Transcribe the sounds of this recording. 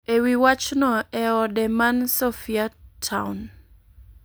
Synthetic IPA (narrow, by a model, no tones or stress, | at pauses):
ewiwat͡ʃnɔɛɔdɛmansofiatʰawn